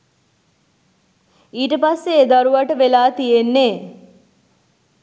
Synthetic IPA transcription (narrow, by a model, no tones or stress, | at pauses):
iːʈəpasːeːd̪aɾuʋaʈəʋelaːt̪ijenːeː